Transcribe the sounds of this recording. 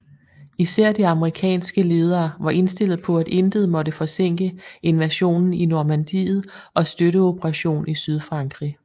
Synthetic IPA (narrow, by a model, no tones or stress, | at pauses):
isæɐ̰d̥iɑ̈məʁikʰɛ̰ːnsɡ̥əle̝ːð̞ˠɐːʋɑ̈ʔe̝nsd̥e̝l̰ð̞̩ˠpʰɒ̽æd̥e̝nd̥əðˠmɒ̽ɾəfɒ̽seŋ̰ɡ̥əe̝nʋæɕo̝̰ːnn̩inomænd̥ḭːð̞̩ˠʔɒ̽sd̥øɾəo̝b̥ʰəʁɑɕo̝̰ːnisyð̞ˠfʁɑ̈ŋɡ̥ʁi